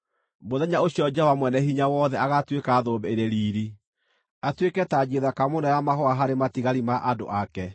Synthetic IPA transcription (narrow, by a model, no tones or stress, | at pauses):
moðɛɲaoɕjɔd͡ʒawamwɛnɛɦiɲawɔðɛaɣatwekaðobɛeɾeɾiːɾi | atwekɛtad͡ʑeðakamonɛwamaɦɔaɦaɾematiɣaɾimaʔado̰ʔakɛ